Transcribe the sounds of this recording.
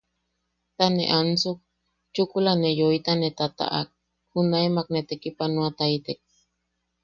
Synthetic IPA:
t̪anḛʔant͡suk̚ | t͡ʃukulanejoit̪anet̪at̪a̰ʔa̰k̚ | hunaemaknet̪ekipanuat̪ait̪ek̚

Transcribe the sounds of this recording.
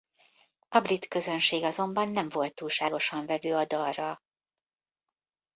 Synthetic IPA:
ɒbrit̪kø̞zø̞nʃeːɡɒzo̞mbɒnːɛɱvo̞lt̪ːuːlʃaːɡo̞ʃɒɱvɛvøːɒd̪ɒrrːɒ

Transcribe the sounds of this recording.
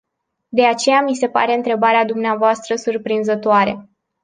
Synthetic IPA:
d̪e̞at͡ʃe̞jamise̞pa̰ɾe̞ɨnt̪ɾe̞baɾead̪umneavoast̪ɾəsurpɾinzət̪oaɾḛ

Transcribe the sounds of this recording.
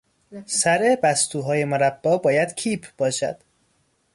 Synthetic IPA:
sæɾe̞bæst̪uːɦɒːje̞moɾæb̥ːɒːbɒːjæd̪̥cʰiːpʰb̥ɒːʃæ̰d̪̥

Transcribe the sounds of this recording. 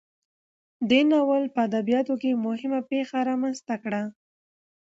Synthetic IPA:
d̪enawəlpəad̪abijɑt̪okemʊhɪmapexaɾɑmanst̪akɽa

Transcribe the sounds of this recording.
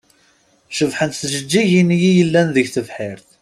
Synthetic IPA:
ʃəvħənθʒəd͡ʒːiʝinjijəlːænðəʝθəvħɪɾθ

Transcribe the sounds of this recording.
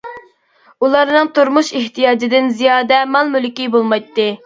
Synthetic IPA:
ulˠɑɾnɨŋt̪uɾmuʃeht̪ʰijɑːd͡ʒɪd̪ɪnzijɑːd̪ɛmɑlˠmylkʲibolˠmɑjt̪ːɨ

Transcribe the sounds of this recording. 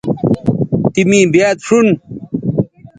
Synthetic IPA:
t̪imĩːbjaːt̪ʂun

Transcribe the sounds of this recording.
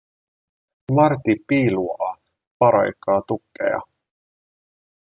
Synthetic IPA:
mɑrt̪ipiːluɑ | pɑɾɑ̰jkːɑːt̪ukːḛjɑ̰

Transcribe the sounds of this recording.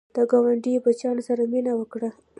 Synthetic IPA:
d̪̥əɡɑwaɳɖibat͡ʃjɑnosaɾaminawəkɽa

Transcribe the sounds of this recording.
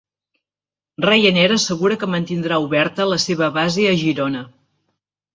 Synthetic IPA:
rejənɛɾəːsəɣuɾəkəmənt̪ind̪ɾauβɛɾt̪ələseβ̞əβazeəʒiɾonə

